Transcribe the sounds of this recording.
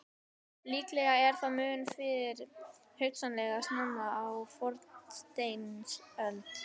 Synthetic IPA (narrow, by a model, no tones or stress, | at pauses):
liːklɛɣaɛɾ̥θaðmʏːnfɪðɪɾ̥ | hœɥksanlɛɣasnʏmaawfɔɾt̪st̪ejnnsœlt̪